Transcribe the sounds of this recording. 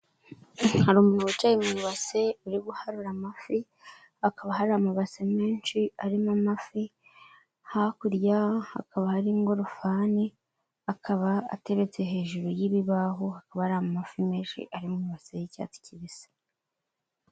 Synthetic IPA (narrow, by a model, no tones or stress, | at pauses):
haɾumunuβut͡ʃajimuuβase̞uɾiɡuhaɾuɾamafi | akaβaɦaɾamaβasemeːnʃiaɾimamafi | hakuɾjaha̰kaβahaɾiŋɡo̞ɾofaːni | akʰaβaa̰te̞βe̞t͡se̞ɦe̞ːʒuɾojiβiβaɦuhakaβahaɾamamafimeːnʃḭʔaɾimumuβasejica̰ːti̥ciβiz̥e̥